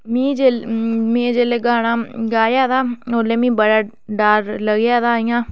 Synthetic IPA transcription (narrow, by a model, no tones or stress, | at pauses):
mĩːd͡ʒemĩːd͡ʒeːleːɡaːnaːɡaːjaːd̪aːoːlẽːmĩːbəɽaː | ɖaːɾləɡjaːd̪aːɪjãː